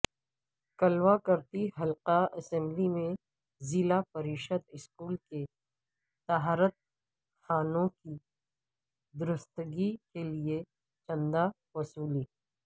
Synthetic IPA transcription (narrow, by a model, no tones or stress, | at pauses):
kɐlwakɐɾt̪iɦɐlqaɐsɛ̃mblimẽ | zɪlapɐɾiːʃəd̪ɪskuːlke | t̪aɦaːɾət̪̚ | xaːnõki | d̪ʊɾʊst̪ɡikelie | t͡ʃɐ̃nd̪a | ʋɐsuːliː